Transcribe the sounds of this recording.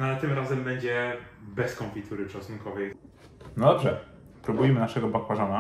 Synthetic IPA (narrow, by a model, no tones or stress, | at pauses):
at̪ɘmɾazɛmbɛɲd͡ʑɛbɛskɔ̃mfʲit̪ʰuɾɘʂasunkɔvɛj | nɔd̪ɔbʐɛ | pɾubujmɘnaʂɛɡɔbakwaʐɔna